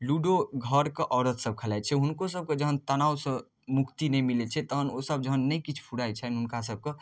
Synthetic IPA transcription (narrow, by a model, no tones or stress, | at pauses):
luɖoɡʱəɾkeʔɔːɾət̪səb̚kʰəlajt͡ʃʰɛɦunkosəb̚ked͡ʒəɦənt̪ənawsə̃ | mukt̪inɛjmilet͡ʃʰɛt̪əɦənosəb̚d͡ʒəɦənːəjkit͡ʃʰpʰuɽajt͡ʃʰɛnɦunkas̬əb̚ke